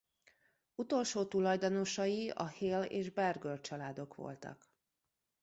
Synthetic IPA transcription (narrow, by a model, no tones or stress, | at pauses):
ut̪o̞lʃoːt̪ulɒjd̪ono̞ʃɒjiɒheːlḛːʒbɛrɡølt͡ʃɒlaːd̪o̞kʋo̞̰lt̪ɒ̰k